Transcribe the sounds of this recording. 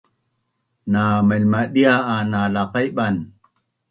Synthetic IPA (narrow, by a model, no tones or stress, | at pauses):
naməlmaɗiaʔanalaqajɓan